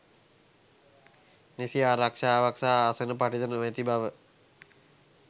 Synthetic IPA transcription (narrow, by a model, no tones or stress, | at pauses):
nesiaɾakʂaʋaksaːsənəpaʈit̪ənəmet̪ibaʋə